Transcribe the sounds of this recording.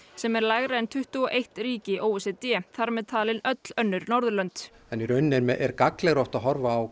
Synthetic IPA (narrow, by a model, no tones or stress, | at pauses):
sɛmɛɾlaːɣɾaɛnt̪ʰʏht̪ʏɔʔejht̪riːcɪʔoːwɛsɛt̪jɛːθaɾmɛðt̪ʰaːlɪnœt̪l̥œnːʏɾnɔɾðʏlœnt̪ | ɛniɾœɥnːɪɾmɛʔɛɾkaklɛɣɾɔht̪aðɦɔɾvaːw